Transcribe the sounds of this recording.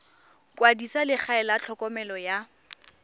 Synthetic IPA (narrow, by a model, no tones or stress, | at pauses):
kʼwadisalɪk͡xʰaɛlat͡ɬʰɔkʼɔmɛlɔja